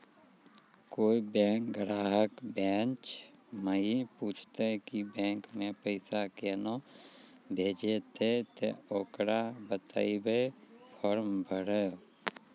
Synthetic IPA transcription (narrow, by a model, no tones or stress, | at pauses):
koːibɛ̃ːk̚ɡɾaːɦəkbɛːnt͡ʃməipuːt͡ʃʰt̪ekibɛ̃ːŋkmẽpəɪsakeno | bʱeːd͡ʒet̪ʰet̪ḛoːkɾabət̪a̰ːibepʰɔːɾmbʱəɾe